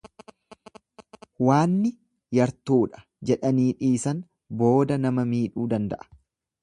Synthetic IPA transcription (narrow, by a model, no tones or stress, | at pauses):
waːnːɪ | jɐɾt̪uːᶑɐ̥ | d͡ʒɛᶑɐniːᶑiːsɐn | boːd̪ɐnɐmɐmiːᶑuːd̪ɐnd̪ɐ̰ʔɐ̥